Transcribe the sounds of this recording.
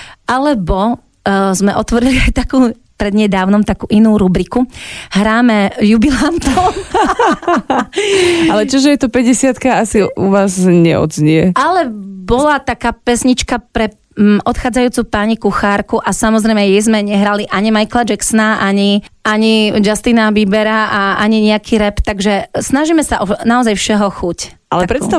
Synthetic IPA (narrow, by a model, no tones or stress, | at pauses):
ʔalɛbɔ | zmɛʔɔt̪ʋɔɾiliajt̪akuː | pɾɛd̪ɲɛd̪aːʊnɔmt̪akuːʔinuːɾubɾikuhɾaːmɛjubilant̪ɔm | alɛt͡ʃɔʒɛjɛt̪ɔpɛɟɛsɪat̪kaasiṵʋaːzɲɛ̰ɔ̰zɲɛʔalɛbɔlat̪akaːpɛsɲit͡ʃkapɾɛ | ɔt̪xaːd͡zajuːt͡supaɲikuxaɾkuʔasamɔzɾɛjmɛjɛjzmɛɲɛɦɾaliʔaɲimajklad͡ʒɛksɔnaʔaɲiaɲid͡ʒast̪inaʋibɛɾaaʔaɲiɲɛakʰiɾɛpt̪aɡʒɛsnaʒiːmɛsaʔɔnaɔzajfʃɛɦɔxuc | alɛpɾɛt̪st̪a